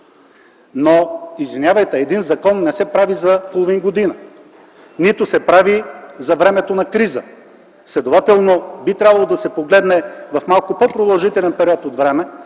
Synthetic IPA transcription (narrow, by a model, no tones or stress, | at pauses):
noizvinʲjavəjt̪ɛɛd̪inzɐkɔnːɛsɛpɾavizɐpolˠovinɡod̪inə | nit̪ʊsɛpɾavizɐvɾɛmɛt̪onɐkɾizə̰ | slɛd̪ovat̪ɛlˠnobit̪ɾʲabɐlˠod̪ɐsɛpoɡlɛd̪nɛvɐfmalˠkopɔpɾod̪ɐlˠʒit̪ɛlɛnpɛɾiɔt̪od̪vɾɛmɛ